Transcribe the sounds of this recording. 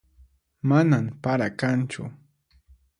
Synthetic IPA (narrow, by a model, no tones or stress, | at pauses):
manampaɾakant͡ʃʊ̰